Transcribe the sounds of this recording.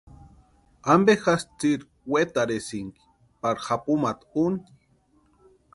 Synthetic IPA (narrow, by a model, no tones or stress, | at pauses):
ambexast͡siɾ | wet̪aɾesiŋki̥ | paɾxapumat̪uni